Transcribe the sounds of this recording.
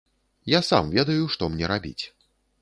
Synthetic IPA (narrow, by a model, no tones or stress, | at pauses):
jasa̰mvʲɛd̪ɐjuʂt̪ɔmnʲɛɾabʲḭt͡sʲ